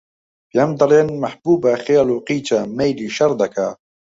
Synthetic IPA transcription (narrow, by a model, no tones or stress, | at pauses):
bjɛmd̪ɑleːnmɐħbuːbaxjɑːluːqiːt͡ʃamejliːʃɐɾˤd̪ɐkʰa